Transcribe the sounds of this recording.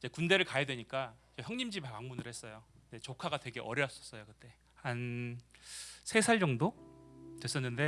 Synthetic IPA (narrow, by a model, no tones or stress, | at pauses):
id͡ʑe̞kunde̞ɾɯɭkajadweɲik͈aid͡ʑeçjʌŋɲimd͡ʑibapaŋmunɯɾhe̞s͈ʌjondet͡ɕokʰaɡatwe̞ɡe̞ʔʌɾjʌs͈ʌs͈ʌjokɯt͈e̞ | han | sʰe̞sʰaɭd͡ʑʌŋdotwe̞s͈ʌnːɯnde̞